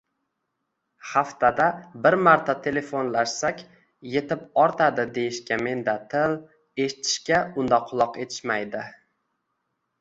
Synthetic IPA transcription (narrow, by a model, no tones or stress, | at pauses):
haft̪ʰad̪abɪɾmaɾt̪ʰat̪ʰe̞le̞fonlaʃsakʲ | je̞t̪ɪpɒɾt̪ʰad̪ɪd̪e̞jɪʃkʲame̞nd̪at̪ʰɪl | e̞ʃt̪ʰɪ̥ʃkʲaʊnd̪aqʰʊlˠɒqe̞t̪ʰɪ̥ʃmajd̪ɪ